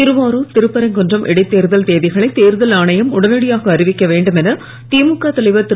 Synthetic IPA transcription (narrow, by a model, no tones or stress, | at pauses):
ɪɾɯʋaːɾuːt̪ɪɾɯpːɐɾɐŋkɔndrɐmʔɛ̰ɽɐɪt̪ːeːɾɯðɐlt̪eːðɪɣɐɭɐɪt̪eːɾɯðɐlaːɳɐjɐmʊɽɐnɐɽɪjaːɣɐːɾɪʋɪkːɐʋeːɳɖɯmɛnɐ | t̪iːmɯkːaːt̪ɐɭɐɪʋɐt̪ːɪ